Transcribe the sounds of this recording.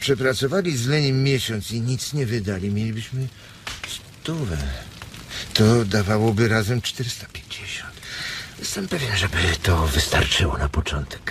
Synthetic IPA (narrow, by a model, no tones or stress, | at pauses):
pʂɛpɾat̪sɔvalʲizlɛɲimːʲjɛɕɔnt̪siɲit̪sɲɛvɘd̪alʲimʲjelʲibɘɕmɘ | s | t̪uvɛ | t̪ɔd̪avawɔbɘɾazɛmt͡ʂt̪ɛɾɘst̪ḁpʲje̥ɲd͡ʑeɕɔnt̪jɛst̪ɛmpɛvʲjɛnʐɛbɘt̪ɔvɨst̪a̰ɾt͡ʂɘwɔnapɔt͡ʂɔnt̪ɛ̥k